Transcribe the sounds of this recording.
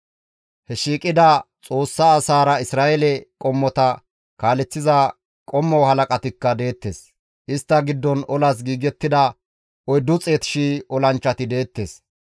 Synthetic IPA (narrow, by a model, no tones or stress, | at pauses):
hɛʃiːkʼɪd̪ɐt͡sʼo̞ːsːɐːsaːɾɐɪsɾaːʔɛlɛkʼɔmːɔt̪ɐ | kaːlɛt͡sːɪzɐ | kʼɔmːɔhɐlɐkʼɐt̪ɪkːɐd̪e̞ːt̪ːeːs | ʔɪst̪ːɐɡɪd̪ːɔnɔlɐs̬ɡiːɡɛt̪ːɪd̪ɐ | ɔjd̪ʊt͡sʼeːt̪ɪ̥ʃiːɔlɐnt͡ʃːɐt̪ɪd̪e̞ːt̪ːe̞ːs